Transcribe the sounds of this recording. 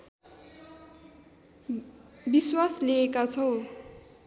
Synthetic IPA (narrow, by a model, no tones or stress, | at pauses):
biswasleekat͡sʰʌw